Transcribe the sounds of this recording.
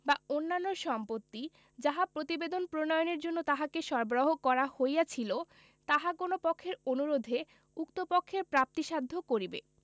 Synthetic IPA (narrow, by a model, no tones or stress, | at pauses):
baonːanːoɾʃɔmpot̪ːi | d͡ʑaɦapɾot̪ibed̪onpɾonɔjoneɾd͡ʑonːot̪aɦakeʃɔɾboɾoɦokɔɾahojat͡ɕʰilo | t̪aɦakonopɔkʰːeɾonuɾod̪ʱe | ukt̪opokʰːeɾpɾap̚t̪iʃad̪ʱːokoɾibḛ